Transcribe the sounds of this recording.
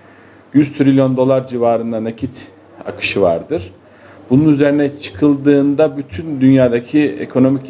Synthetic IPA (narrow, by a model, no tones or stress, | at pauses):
jyzt̪ʰɾilʲjo̞nd̪o̞lˠaɾd͡ʒivaːɾɯnd̪anacʰit̪ʰ | a̰kʰɯ̥ʃɯva̰ɾd̪ɯɾ̥ | bununyze̞ɾinɛt͡ʃʰɯ̥kʰɯlˠd̪ɯːnd̪abyt̪ʰynd̪ynjaːd̪acʰiḛkʰo̞no̞mic